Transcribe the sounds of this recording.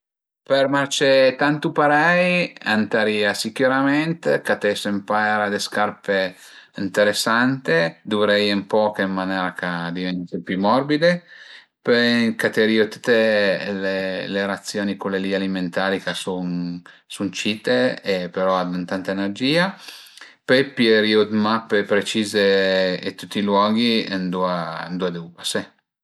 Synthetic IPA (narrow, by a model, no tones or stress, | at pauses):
permart͡ʃet̪ant̪upaɾɛjant̪aɾiːasikuɾament̪ekat̪ɛsempaɛɾad̪eskarpe | int̪eɾesːant̪ed̪uvɾɛjempɔːkemːanɛːɾakad̪ivɛnt̪epjumɔrbid̪e | pekat̪eɾiot̪u̥t̪ːeleleɾat̪sːjoːnikolealialiment̪aːɾikasunsunt͡ʃit̪eepeɾɔad̪unt̪ant̪aenerd͡ʒiːa | pejpieɾiud̪mapːepɾet͡ʃiːzeet̪ːut̪ːilwɔːɡind̪uand̪ued̪ubase